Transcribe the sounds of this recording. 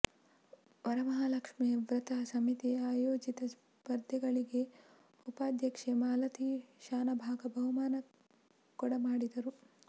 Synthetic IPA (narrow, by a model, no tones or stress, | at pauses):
ʋɐɾɐmɐɦalɐkʂmiʋɾɐt̪asɐmit̪iaːjoːd͡ʒit̪ɐs | pɐɾd̪ʱjɐɡɐɭiɡe̞ | upaːd̪ʱjɐkʂemaːlɐt̪iʃaːnɐbʱaːɡɐbɐɦumaːnɐ | kɔɽɐmaːɽid̪ɐɾu